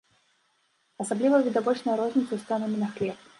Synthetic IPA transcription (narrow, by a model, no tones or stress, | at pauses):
ɐsablʲivəvʲɪd̪avɔt͡ɕnɐjʊɾɔzʲnʲɪt̪səst̪anəmʲɪnɐxlʲɛp̚